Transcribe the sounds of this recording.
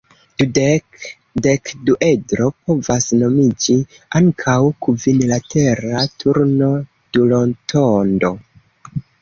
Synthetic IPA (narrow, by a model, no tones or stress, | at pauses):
d̥ud | dekduʔe̞dɾo̞p̚o̞vasno̞mid͡ʒi | aŋkʰawkuvinlatʰe̞ɾatʰuɾno̞ | d̥ulo̞ntʰondo̞